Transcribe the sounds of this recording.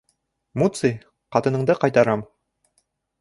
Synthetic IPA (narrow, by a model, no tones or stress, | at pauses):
mut̪sɨj | qɑt̪ɤ̆nɤ̆ɴd̪ɤqɑjt̪ɑɾɑm